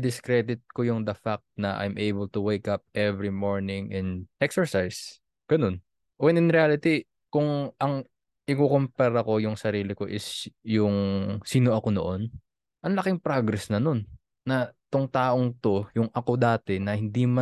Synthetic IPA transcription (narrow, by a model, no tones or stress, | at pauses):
d̪ɪskɾɛd̪ɪt̪̚kojʊŋd̪ɐfak̚t̪̚nɐʔa̰jmʔejbɐlt̪ʊwejkap̚ʔɛvɾimoɹnɪ̃ŋʔɛ̃nd̪ʔɛksɛɹsajs | ɡ̥ɐno̞n | wɛnɪ̃nɾɪaːlɪt̪i | kʊŋʔɐŋ | ʔɪkokompɛɾɐko̞jʊŋsɐɾiːlɪko̞ʔɪsjʊŋsiːnoɐko̞no̰ʔon | ʔɐŋlɐkɪŋpɾaɡɾɛsnɐno̞nː | ɐt̪ʊŋt̪aːʔoŋt̪o̞jʊŋʔɐko̞d̪aːt̪ɛnɐhɪnd̪ima